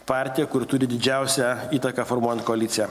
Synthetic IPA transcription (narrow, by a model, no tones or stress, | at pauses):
pɑˑɾʲt̪ʲɪjɛkʊɾt̪ʊɾʲɪd̪ʲɪd͡ʒʲæˑʊsʲɛiːt̪ɐkɑfɔɾmuɔjɛnt̪kɔɐlʲɪt̪sʲɪjɛ